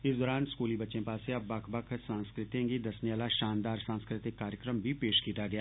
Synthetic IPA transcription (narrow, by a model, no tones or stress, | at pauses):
ɪsd̪ɔːɾaːnskuːlibɐtːʃẽpaːseɐbːɐkʰbɐkʰsãːnskɾɪt̪ẽkid̪ɐsnijaːlaʃaːnd̪aːɾsãːnskɾɪt̪ɪkːaːɾjəkɾəmbʱipeːʃkiːt̪aɡɐjaː